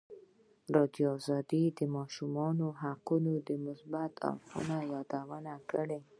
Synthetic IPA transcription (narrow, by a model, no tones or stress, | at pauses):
ɾɑd̪joɑzɑd̪id̪əmɑʃumɑnoɦaqunod̪əmʊsbat̪ʰa̰fṵnawɑd̪awənakəɽe